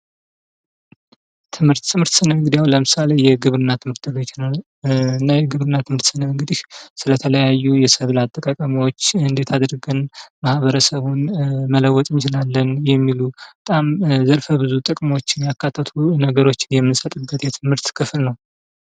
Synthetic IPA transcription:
t̪ʰɨmhɨɾt̪ːʰɨmhɨɾt̪sɨnəɨɡd̪ijawləmɨsale̞jɛɡɨβɾɨnːat̪ʰɨmhɨɾt̪ʰɨɡɨt͡ʃːnə | ɨnːajɛɡɨβɾɨnːat̪ʰɨmhɨɾt̪sɨnəɨŋɡɨd̪iʃsɨlət̪ʰələjajːujɛsəβlat̪ʼːəkʼakʼəmiwot͡ʃːɨnd̪e̞t̪ʰad̪ɾɡɨnmahβəɾəsəβunmələwɔt̪ʼɨnt͡ʃɪlalːənjɛmːilubət̪ʼamzəɾfəbɨzut̪ʼɨkʼmo̞t͡ʃːɪnjakːat̪ʰːət̪ʰunəɡəɾo̞t͡ʃːɪnjɛmːɨnsət̪ʼɨbːət̪jɛt̪ʰɨmhɨɾt̪kʰɨflnəw

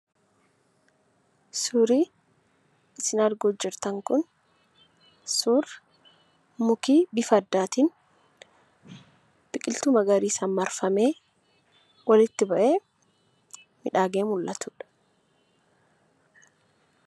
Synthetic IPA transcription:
sʊɾiː | ɪsɪnɐɾɡoːd͡ʒɪɾt̪ɐŋkʊn | sʊɾ | mʊkiːbɪfɐd̪ːaːt̪in | b̥ɪkʼɪlt̪ʊmɐɡɐɾiːsɐmːɐɾfɐme̞ː | wɐlɪt̪ːɪbɐʔe̞ː | mɪᶑaːɡeːmʊlːɐt̪ʊːᶑɐ̥

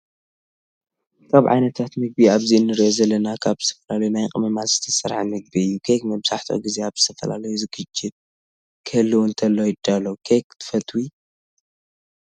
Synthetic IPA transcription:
kʰaβʕa̰jnɐt̪ʰat̪mɨɡ̚biaβzinɨɾʔozɐlːɐnakʰaβzɨ̥t̪ʰɐ̥fɐlalɐjunajχʼɨmɐmazɨt̪ʰɐ̥sɐɾʕmɨɡ̚biɨjːukʰekmɐβzaħt̪ʰo̰ɡizeaβzɨt̪ʰɐfɐla̰lɐjuzɨɡɨd͡ʒɪt̪̚ | kʰɐlːɨwunt̪ʰɐlːojɪd̪alːɐwkʰekt̪ʰɨ̥fɐt̪ʰʼwi

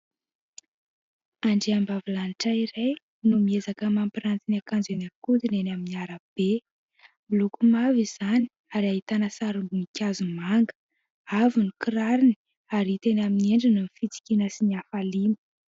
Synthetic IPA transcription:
aɳɖ͡ʐeambavilaniʈ͡ʂaiɾej | numiezakəmampiɾant͡s̪iniakand͡zenakud̪inenaminiaɾəb̥e | milukumaviz̥ani̥ | aɾiaɦit̪anəsaɾumbumikʲazumaŋɡə̥ | avinukiɾaɾini | aɾit̪enaminieɳɖ͡ʐinumifit͡si̥kʲinəsiniafalimə̥

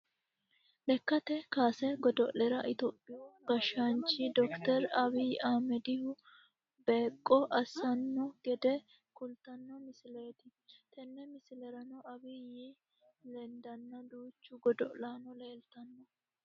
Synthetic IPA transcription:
ʔɛkːɐt̪ɛkaːsɛɡɔd̪ɔʔlɛɾɐʔɪt̪oːpʼːɪɔɡɐʃant͡ʃːɪd̪ɔkt̪ɛɾɐbiaːmɛd̪ɪhʊ | beːkʼːɔʔɐsɐnːɔɡɛd̪ɛ | kʊlt̪ɐnːɔmɪsɪle̞ːt̪ɪt̪ʰɛnːɛmɪsɪlɛɾɐnɔʔɐbɪji | lɛnd̪ɐnːɐd̪uːt͡ʃːʊɡɔd̪ɔ̰ʔlaːnɔleːlt̪ɐnːɔ

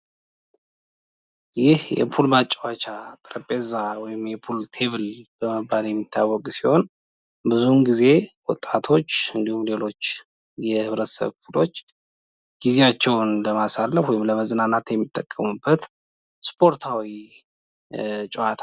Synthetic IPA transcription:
jɪhjɛ̰pʰulmat͡ʃʼːwat͡ʃat̪ʼɨɾəpʼezawɔjɪmjɛpʰult̪ʰe̞βɨlb̥əməbaljɛmːit̪ʰːawːɔɡʼsiho̞n | bɨzunɡize̞wɔt̪ʼːat̪ʰo̞t͡ʃːɨnd̪ihumle̞lo̞t͡ʃː | jɛhɨβɾət̪ə̥sə̰βfulo̞t͡ʃː | ɡ̥ize̞at͡ʃːɛwnləmasalːəfwɔjɪmləməzɨnanːat̪jɛmːit̪ʼːəkʼːəmubːət̪ | spʰʼo̞ɾt̪ʰawi | t͡ʃʼɛat̪ʰa

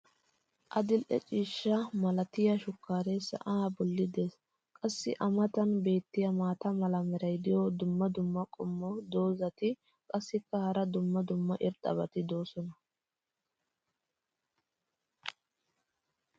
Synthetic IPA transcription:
ʔɐd̪ɪlʔɛ̰t͡ʃʼiːʃːɐmɐlɐt̪ɪjɐʃʊkːaːɾesɐ̰ʔaːbɔlːɪd̪eːs | kʼɐsːɪʔɐmɐt̪ɐnbe̞ːt̪ːɪjɐmaːt̪ɐmɐlɐmɛɾɐjd̪ɪjɔd̪ʊmːɐd̪ʊmːɐkʼɔmːɔd̪o̞ːzɐt̪ɪ | kʼɐsːɪkːɐhɐɾɐd̪ʊmːɐd̪ʊmːɐʔɪɾt̪ʼːɐ̰bɐt̪ɪd̪o̞ːsɔnɐ

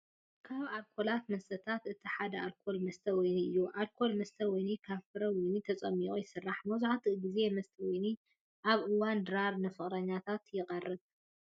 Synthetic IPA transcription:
kʰaβalkʰo̞lat̪mɐst̪ʰɐt̪ʰat̪ɨt̪ʰiħad̪ɐʔalkʰo̞lmɐst̪ʰɐwɔjniɨjːuʔalkʰo̞lmɐst̪ʰɐwɔjnikʰafɨɾɐwɔjnit̪ʰɐt͡sʼɐmːiʔʼujɪsɨrːaħmɐzuʕat̪ʰiɡize̞mɐst̪ʰɐwɔjni | ʔaβʔɨwand̪ɨɾaɾnɨfɨχʼɾɐɲːat̪ʰat̪jɪqʼɐrːɨβ

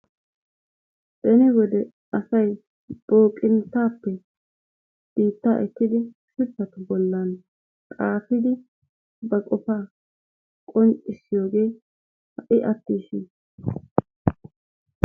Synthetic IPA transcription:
bɛnɪwɔd̪ɛ | ɐsɐj | b̥o̞ːkʼɪnt̪ːaːpːɛ | b̥iːt̪ːa̰ːʔɛt̪ːɪd̪ɪ | sɪfːɐt̪ʊbɔlːɐn | kʼaːfɪd̪ɪ | bɐkʼɔfaː | kʼɔnt͡ʃʼɪsɪjo̞ːɡe̞ː | hɐʔɪʔɐt̪ːiːʃɪn

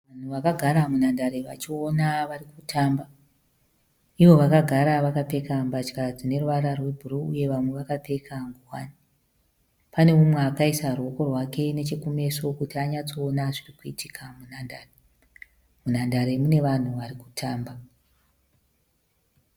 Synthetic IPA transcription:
ʋan̤uʋakaɡʱaɾamunandaɾe̞ʋa̰t͡ʃio̞naʋarikutʰaːmba | iʋo̞ʋakaɡʱaɾaʋakape̞kambat͡ʃkad͡zine̞ruʋaɾarwe̞bʱuɾuuje̞ʋamwe̞ʋakape̞kʰaŋɡuwaːni | pane̞umweakaisaruo̞ko̞rwake̞ne̞t͡ʃekume̞so̞kutiaɲat͡so̞ːnaʐirikuitʰikʰamunandaːre | munandaɾemune̞ʋan̤uʋaɾiku̥tʰaːmba

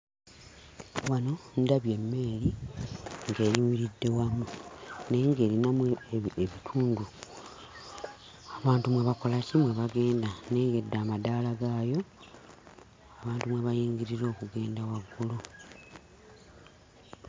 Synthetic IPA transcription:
wano̞ndaβje̞mːe̞ːli | ŋɡe̞ːɾimiɾidːe̞wamune̞ːŋɡe̞ːɾinamueβitʰuːndu | aβaːntumweβako̞lacimweβaɡe̞ːndane̞ːŋɡe̞dːaːmadaːlaɡaːjo̞ | aβaːntumweβajiːɲɡiɾiɾo̞ːkuɡe̞ːndawaɡulo

